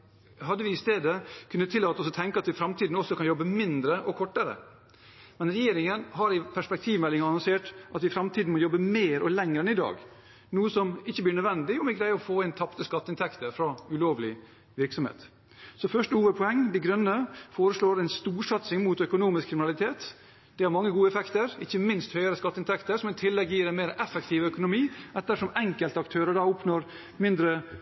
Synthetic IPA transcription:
ɦɑd̪ːəʋɪɪst̪eːd̪əkʰʉnːət̪ʰːɪlɑːt̪ɔsɔt̪ʰɛŋkəɑt̪ʋɪfɾɑmt̪ʰiːd̪n̩ɔsːɔkʰɑnjɔbːəmɪnd̪ɾəʔɔkʰɔʈːəɾə̰ | mɛnɾɛjeːɾɪŋənɦɑɾɪpʰæʂpɛk̚t̪ʰiːʋmɛlːɪŋɑɑnɔnseːʈʔɑt̪ʋɪfɾɑmt̪ʰiːd̪n̩mɔjɔbːəmeːɾɔlɛŋɾəɛnɪd̪ɑ̰ːɡ | nuːəsɔmɪçːəbliːɳœd̪ʋɛnd̪ɪjʊmɛɡɾæɪɔfoːæɪnt̪ʰɑpt̪əskɑt̪ːəɪnt̪ʰɛkt̪əfɾɑʉloːʋlɪ | ʋɪɾksɔmhḛːt̪ | sɔfœʂʈəuːʋəd̪̚pʰɔɛŋd̪ɪɡɾœnːəfoːɾəʂlɭoːɾɛɪnst̪uːʂɑt̪sɪŋmuːt̪œkʊnuːmɪskʰɾɪmɪnɑlɪt̪ʰeːt̪ | d̪̥ɛhɑɾmɑŋːəɡuːəɛfɛkt̪əɾɪçːəmɪnst̪hœʏəɾəskɑt̪ːəɪnt̪ɛkt̪əɾsɔmɪt̪ʰɪlːɛɡjiːɾɛnmeːɾʔɛfɛkt̪ʰiːʋœkʊnʊmiːʔɛt̪ːəʂɔmɛŋkəlt̪əɑkt̪ʰøːɾəɖɑʊpnoːɾ | mɪnd̪ɾə

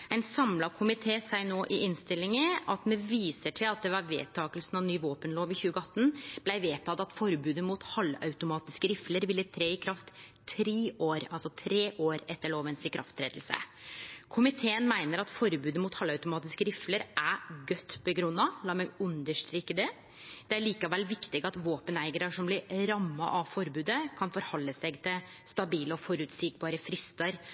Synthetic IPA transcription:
æɪnsɑmlɑkʰʊmɪt̪ʰeːsæɪnoːʔɪʔɪnst̪ɪlːɪŋəɑt̪mɛʋiːsəʈʰɪlɑt̪̚d̪ɛʋɑːɾʋḛːt̪ʰɑːkəlsn̩ɑʋnyːʋoːpənloːʋɪçʉːɡəɑt̪ːn̩b̥læɪʋeːt̪ʰɑːt̪ɑt̪fɔɾbʉːd̪əmut̪hɑlːɑ̰ʉt̪ʊmɑːt̪ɪskəɾɪfləɾʋɪlːət̪ʰɾeːɪkʰɾɑft̪ʰː | ɾeːʔoːɾɑlsɔt̪ʰɾeːʔoːɾɛt̪ːəɭoːʋənsɪkʰɾɑ̰ft̪ʰɾeːd̪lsə̰kʰʊmɪt̪ʰeːənmæɪnəɾɑt̪fɔɾbʉːd̪əmʊt̪hɑlːɑʉt̪ʊmɑːt̪ɪskəɾɪfləɾʔæɡœt̪ːbəɡɾʉnːɑlɑːmɛɡʉnd̪əʂʈɾiːkːəd̪ɛ | d̪̥ɛæɭiːkɑʋɛlʋɪkt̪ɪɡɑt̪ʋoːpənæɪɡəɾɑʂɔmblɪɾɾɑmːɑ̰ʔɑʋfɔɾbʉːd̪əkʰɑnfɔɾhɔlːəsɛɡt̪ʰɪl | st̪ɑbiːləɔfɔɾʉt̪sik̚bɑːɾəfɾɪst̪ɑɾ

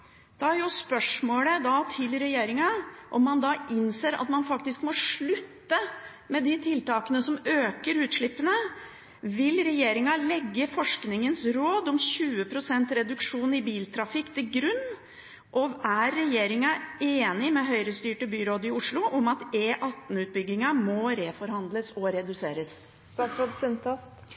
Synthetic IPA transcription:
d̪̥ɑæɾjʊspœʂmoːləd̪ɑt̪ʰɪlɾɛjeːɾɪŋɑʔɔmːɑnd̪ɑʔɪnseːɾɑ̰t̪mɑnfɑkt̪ɪskmɔʂɭʉt̪ːə | mɛd̪ɪt̪ʰɪlt̪ɑːkənəsɔmøːkəɾʉːt̪ʂɭɪpːənə | ʋɪlɾɛjeːɾɪŋɑlɛɡːəfɔʂknɪŋənsɾoːd̪ɔmɕʉːəpʰɾʊsɛnt̪ɾɛd̪ʉkʂuːnɪbiːlt̪ʰɾɑfɪkːt̪ʰɪlɡɾʉnː | ʔɔæɾːɛjeːɾɪŋɑeːnɪmɛɦœʏɾəst̪yːʈəbyːɾoːd̪ɪʊʂlʊʔɔmɑt̪eːʔɑt̪n̩ʉːt̪̚bʏɡɪŋɑmɔɾefɔɾhɑnd̪ləsɔɾɛd̪ʉseːɾəs | sɑsɾoːd̪sʏnt̪ʰɑft̪

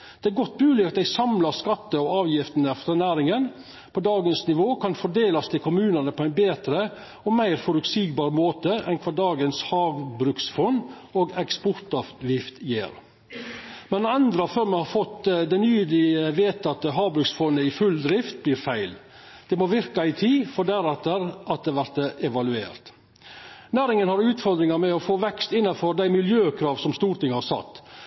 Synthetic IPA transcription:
d̪̥ɛæɾɡɔt̪̚ːmʉːlɪɑt̪d̪æɪsɑmlɑɾskɑt̪ːəɔɑːʋjɪft̪ənəfɾɑnæːɾɪŋən | pʰɔd̪ɑːɡənsnɪʋoːkʰɑnfɔd̪eːlɑst̪ʰɪlkʰʊmʉːnənəpʰɔæɪnbeːt̪ɾə | ɔmæɪɾfɔɾʉt̪siːɡbɑːɾəmoːt̪əʔɛ̰nkʰʋɑːɖɑːɡənshɑːɡbɾʉksfɔn | oːɡɛkspɔɾt̪ɑʋjɪft̪jḛːɾ | mɛnɑnd̪ɾɑføːɾmɛhɑɾfɔt̪ːd̪ɛnyːd̪ɪəʋeːt̪ʰɑt̪ːəɦɑːɡbɾʉksfɔnːəɪfʉld̪ɾɪft̪̚bliːɾfæɪl | d̪̥ɛmoːʋɪɾkɑɪt̪ʰiːfɔɖæɾɛt̪ːəɾʔɑt̪̚d̪ɛʋæɾt̪əʔɛʋɑlʉḛːɾt̪ | næːɾɪŋənhɑɾʉːt̪fɔɾd̪ɾɪŋɑɾmɛɔfoːʋɛkst̪ɪnːɑfɔɾd̪æɪmɪljøːkʰɾɑːʋsɔmst̪uːɾt̪ɪŋːəhɑɾsɑ̰t̪ː

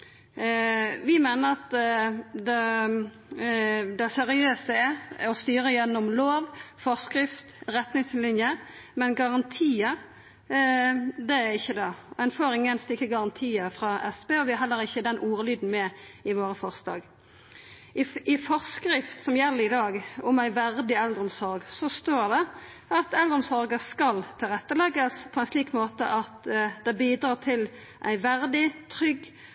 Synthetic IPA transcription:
ʋɪmeːnəɾɑt̪ | d̪ɛ | d̪ɛsɛɾɪøːsəɛɔst̪yːɾəjɛnːʊmloːʋfɔʁskɾɪft̪ɾɛt̪nɪŋslɪnjəmɛnɡɑʁɑnt̪ʰiːə | d̪ɛæɾɪçːəd̪ɛɛnfoːɾɪŋːənst̪ɪkːəɡɑʁɑnt̪ʰiːəfɾɑːʔɛsbeːɔʋɪæɦɛlːəɾɪçːəd̪ɛnʔuːɾəlyːd̪n̩mɛɪʋoːɾəfɔʁslɑ̰ːɡ | ɪfɔʁskɾɪft̪sɔmjɛlːəɪd̪ɑːɡʊmæɪʋæʁd̪ɪɛld̪əʁʊmsɔɾɡsɔst̪oːd̪ɛ | ɑt̪ɛld̪ɾʊmsɔɾɡəskɑlt̪ʰɪlʁɛt̪ːəlɛɡəspʰɔɛnsliːkmoːt̪ə̰ʔɑt̪d̪̥ɛbiːd̪ɾɑːt̪ʰɪl | ʔæɪʋæʁd̪ɪt̪ʰɾʏɡ

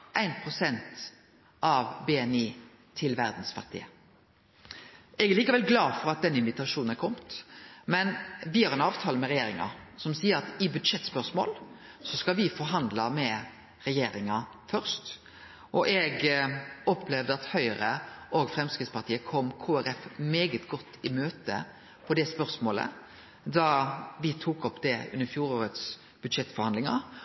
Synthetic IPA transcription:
ʔæɪnpʰʁʊsɛnt̪ | ɑʋbɛɛniː | t̪ʰɪlʋæɾd̪n̩sfɑ̰ʁt̪ʰɪ̰ə | ɛɡæʁliːkəʋɛlɡlɑːfɔɾɑt̪̚d̪ɛnːɪnʋɪt̪ɑʂuːnn̩æɾkʰɔmt̪mɛnʋɪhɑɾʁɛnɑːʋt̪ʰɑːləmɛɾɛjeːɾɪŋɑ̰sɔmsiːəɾɑt̪ɪbʉd̪ʂɛt̪spœʁsmo̰ːl | sɔskɑʋɪfɔɾɦɑnd̪lɑmɛ | ʁɛjeːɾɪŋɑ | fœʁst̪ | ʔɔʔɛɡ | ɔpʰlɛʋd̪əɑt̪hœʏɾəʔoɡfɾɛmskɪt̪spɑɾt̪ʰiːəkʰɔmːkʰoːæɾɛfmeːɡət̪ɡɔt̪ʰːɪmøːt̪ə̰ | pʰɔd̪ɛspœʁsmoːlə̰ | d̪ɑʋɪt̪ʰuːkɔpd̪ɛʉ̰nəɾfjuːɾoːɾət̪s | b̥ʉd̪ʂɛt̪ːfɔɾhɑnd̪lɪŋɑ̰

